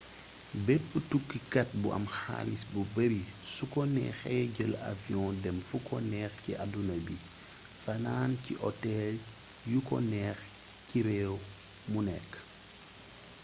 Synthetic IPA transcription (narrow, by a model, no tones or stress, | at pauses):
bɛpːutukːikɐt̚buɐ̰mxa̰ːlisbubɐbisukɔnɛ̰xɛɟəla̰viɔ̃dɛmfukɔnɛːxciʔadunɐbi | fɐnaːnciʔɔtɛl | jukɔ̰nɛːx | ciɾɛːw | munɛkː